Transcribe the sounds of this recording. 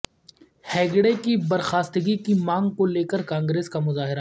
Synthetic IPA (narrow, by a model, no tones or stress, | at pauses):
hɛːɡɽekibɐɾxaːst̪əɡikimãːŋɡkoleːkəɾkãːŋɡɾeːskamʊzaːɦɪɾa